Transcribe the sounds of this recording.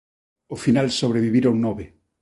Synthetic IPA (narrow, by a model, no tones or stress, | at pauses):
ofinalsoβ̞ɾeβiβiɾoŋnɔβe